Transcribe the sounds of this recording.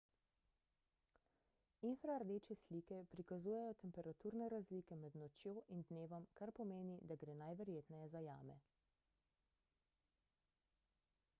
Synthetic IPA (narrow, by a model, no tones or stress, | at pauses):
infɾaɾd̪eːt͡ʃɛsliːkɛpɾikazuːjɛjɔt̪ɛmpɛɾat̪uːɾnɛɾazliːkɛmɛd̪nɔt͡ʃjoːʔind̪neːʋɔmkaɾpɔmeːnid̪aɡɾeːnajʋɛɾjeːt̪nɛjɛzaja̰ːmɛ̰